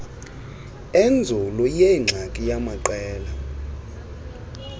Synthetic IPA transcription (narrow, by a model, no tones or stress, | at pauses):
end͡zʱulɔjeŋ͡ǁʱakʼijamaǃɛːla